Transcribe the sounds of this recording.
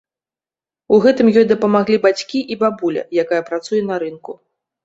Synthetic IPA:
uɣɛt̪ɨmjɔjd̪ɐpɐmaɣlʲibat͡sʲkʲiʔibabulʲɐ̰jakajɐpɾat̪sujɛnɐɾɨnku

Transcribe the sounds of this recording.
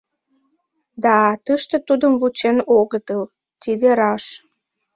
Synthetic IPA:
d̪ɑt̪əʃt̪ĕt̪ud̪əmvut͡ɕenoɣət̪əl | t̪id̪eɾɑʃ

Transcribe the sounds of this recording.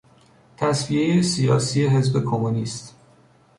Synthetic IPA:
t̪ʰæsvije̞jesijɒ̰ːsije̞ɦe̞zbe̞kʰomuniːst̪

